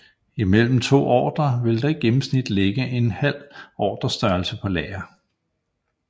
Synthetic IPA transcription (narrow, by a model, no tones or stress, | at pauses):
imel̰m̩t͡sʰo̝̰ːɒ̰ːd̥ɐʋe̝ld̥ɑ̈iɡ̥emm̩snid̥leɡ̥əʔe̝nhæl̰ɒ̰ːd̥ɐsd̥ɶɐlsəpʰɒ̽lɛ̰ːɐ